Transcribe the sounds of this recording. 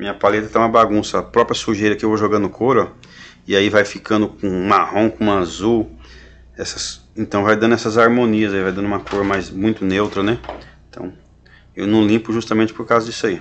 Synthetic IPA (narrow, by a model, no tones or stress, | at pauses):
mĩɲɐpalet̪ɐt̪ãũmɐbaɡũsɐːpɾɔpɾiɐsuʒejɾɐkɪewvoʒoɡɐ̃nd̪ʊkʰoɾɐ | ɪaivajfikɐ̃nd̪ʊkõmahõkõũazuw | ɛsɐsẽnt̪ɐ̃w̃vajd̪ɐ̃nd̪ʊɛsɐzaɾmõniɐzaivajd̪ɐ̃nũmɐkoɾɐmajzmũj̃t̪ʊnewt̪ɾɐnɛẽt̪ʰɐ̃w̃ | ewnɐ̃w̃lĩmpʊʒust̪ɐmẽnt͡ʃɪpoɾkawzɐd͡ʒisai